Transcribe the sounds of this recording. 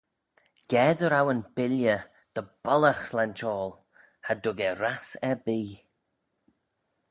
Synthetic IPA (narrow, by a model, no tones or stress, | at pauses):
ɡ̥ɛːd̪əɾawənb̥ɪljə | d̪̥əb̥ɔləxslɛnt͡ʃɔːlˠ | hadʊɡɛɾasɛbiː